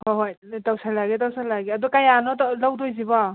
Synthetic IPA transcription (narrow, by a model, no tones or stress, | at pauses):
hɔɦoj | tawsajlaɡet̬awsajlaɡiɐdɔkajanɔtlawdɔjziba